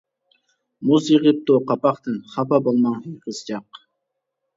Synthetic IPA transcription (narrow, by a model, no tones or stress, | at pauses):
muzjiʁɨp̚t̪oqɑpɑqt̪ɨnχɑpɑbolˠmɑŋhijqɨzd͡ʒɑq